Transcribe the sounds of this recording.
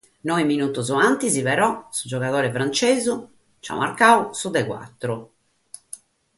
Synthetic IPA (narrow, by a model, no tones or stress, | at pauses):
nɔiminut̪uzɔant̪iziβɛɾɔsud͡ʒɔɣaðɔːɾɛfɾant͡ʃeːzu | t͡ʃa̰ma̰ɾkausud̪ɛɣwa̰t̪ːɾu